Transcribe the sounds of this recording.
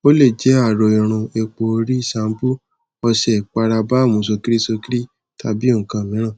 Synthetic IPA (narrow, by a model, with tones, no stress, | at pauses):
o˦le˦˨d͡ʒɛ˨˦a˦˨ɾo˨i˨ɾ̃ũ˧e˧k͡po˧ɾi˦˨sa˨˦m˦bu˦ | ɔ˧sɛ˨k͡pa˧ɾa˧ba˦˨mũ˨˦s̬o˧ki˦ɾi˦so˧ki˦ɾi˦ | ta˧bi˦o˦˨kã˧˨mĩ˨˦ɾ̃ã˦˨